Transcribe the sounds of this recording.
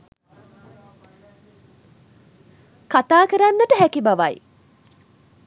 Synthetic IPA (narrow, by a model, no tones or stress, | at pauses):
kat̪aːkəɾanːəʈəɦækibaʋaj